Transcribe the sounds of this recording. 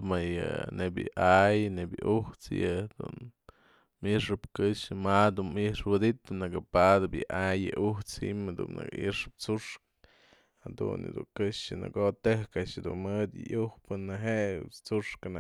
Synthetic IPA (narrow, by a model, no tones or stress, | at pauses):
majɨnebʲjɨʔajnebjɨʔuht͡sjɨd̪̥ṵn | miʔʂɨpkɨʂɨmad̪unmiʔʂwɨd̪it̪ɨnɨkɨpad̪ɨpjɨʔajɨʔuht͡shimd̪ṵnnɨ̰kḭʔʂɨp̚t͡suʂk | had̪ṵnd̪uŋkɨʂjɨnɨ̰kot̪ɨhkaʔʂd̪unmɨd̪jɨ̰ʔjuhpɨnɨɦeʔt͡suʂkɨn